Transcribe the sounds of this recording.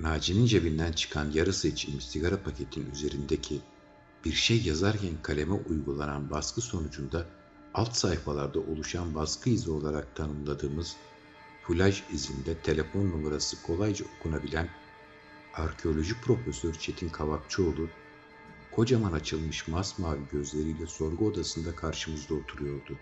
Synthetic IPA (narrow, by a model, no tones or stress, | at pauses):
naːd͡ʒinind͡ʒebind̪ænt͡ʃʰɯ̥kʰanjaɾɯst͡ʃʰimist̪iɡaɾapʰacʰe̞t̪ʰiny̰ze̞ɾind̪ecʰi | b̥iɾʃejːazaɾcʰænkʰalʲe̞mɛʔujɡulˠananbaskʰɯso̞nud͡ʒund̪a | alˠt̪sahfalˠaɾd̪aʔo̞lˠuʃanbaskʰɯizio̞lˠaɾak̚t̪ʰanɯmlˠad̪ɯːmɯz̥ | pʰulʲaʒizind̪ɛt̪ʰe̞lʲe̞fo̞nːumaɾasɯkʰo̞lˠajd͡ʒaokʰunabilʲæn | aɾcʰeo̞lʲo̞ʒic̚pʰɾo̞fesøɾt͡ʃʰe̞t̪ʰinkʰaβak̚t͡ʃʰio̞lˠuɾ | kʰo̞d͡ʒamanat͡ʃʰɯlˠmɯʃmasmaːlʲiɟø̞zlʲe̞ɾijlʲɛso̞ɾɡuo̞d̪asɯnd̪akʰaɾʃɯmɯzd̪ˠao̞t̪ʰuɾujo̞ɾd̪ʊ